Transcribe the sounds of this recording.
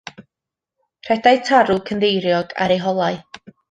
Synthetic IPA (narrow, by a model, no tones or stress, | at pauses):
r̥ɛdajtʰaɾukʰəndejɾjɔɡ̥a̰ɾejɦɔlˠaj